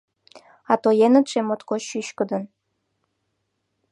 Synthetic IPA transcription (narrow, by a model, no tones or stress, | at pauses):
ɑt̪ojenə̆t̪ʃemot̪koyɕkə̆d̪ə̆n